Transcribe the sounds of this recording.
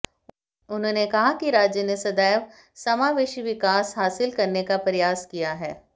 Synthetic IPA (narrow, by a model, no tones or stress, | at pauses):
ʊnɦõːnekɐɦakiɾaːd͡ʒjənesɐd̪aːəʋ | sɐmaːʋɪːʃiʋɪkaːsɦaːsɪlkɐɾnekapɾɐjaːskijaɦɛː